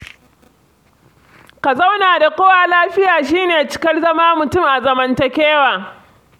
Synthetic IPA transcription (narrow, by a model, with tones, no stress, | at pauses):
ka˨za˦wnaː˨da˨kʷoː˦waː˨laː˦ɸɪ˦jaː˨ʃ̬iː˦neː˨t͡ʃɪ̥˦kʲɐ˦rzɐ˦maː˦mʊ˨tʊ˦˨mʔa˨zɐ˨mɐ˦ntɐ˨kʲeː˦waː˨